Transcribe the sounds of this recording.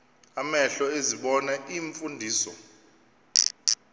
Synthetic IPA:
amɛɬɔeziɓɔnaiɱfundʱiːsɔ̰

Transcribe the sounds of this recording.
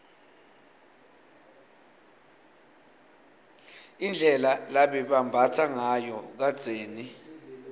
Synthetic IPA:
ind͡ɮʱɛlalaɓɛɓambʱatʰaŋajɔk̬ad̥z̥ʱeːni

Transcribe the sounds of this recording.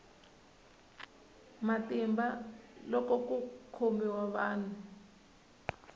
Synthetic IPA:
matʼimbalɔkɔkukʰombiwaɓaːnu

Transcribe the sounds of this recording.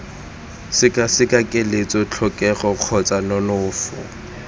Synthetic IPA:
sɪkʼasɪkʼakʼɪlet͡sʼɔt͡ɬʰɔkʼɛχɔq͡χʰɔt͡sʼanɔnʊːfɔ̰

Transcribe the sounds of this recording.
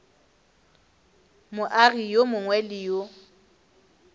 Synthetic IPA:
mʊʔaɣijomʊŋwɛlɪjo

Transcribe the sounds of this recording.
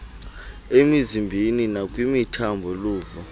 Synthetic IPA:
emizimbʱininakʼwimitʰambʱɔluːvɔ

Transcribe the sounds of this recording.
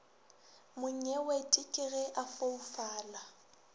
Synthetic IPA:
mʊɲ̩ɛwetʼɪkʼɪɣɛʔafoufaːla

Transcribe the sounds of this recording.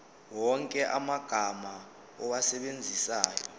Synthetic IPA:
wɔŋkʼɛʔamaɡ̥ʱama | ɔwasɛɓend͡zʱisaːjɔ

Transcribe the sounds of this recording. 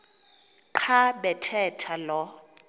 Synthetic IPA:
ǃʰaɓɛtʰɛtʰalɔ

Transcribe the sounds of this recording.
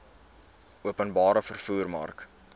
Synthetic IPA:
uəpənbɑːɾəfərfuːrmɐ̰rk

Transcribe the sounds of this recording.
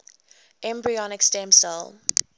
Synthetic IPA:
ɛ̃mbɹiɔnɪkstɛ̃msəl

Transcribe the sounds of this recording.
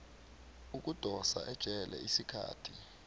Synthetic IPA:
uk̬ud̥ʱɔsaʔɛd̥ʒ̥ʱɛlɛ̰isikʰa̰ːtʰi

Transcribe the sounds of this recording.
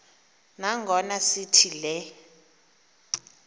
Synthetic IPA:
naŋɡʱɔnasitʰilɛ

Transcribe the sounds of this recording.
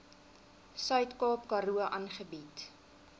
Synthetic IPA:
sœɥtkɑːpkɐɾuəʔɐnχəbit

